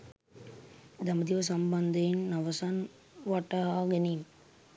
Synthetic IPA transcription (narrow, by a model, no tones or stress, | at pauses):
d̪ɐməd̪iʋɐs̬ɐmbɐnd̪ɐinnɐʋɐsan | ʋaʈaɦaːɡenim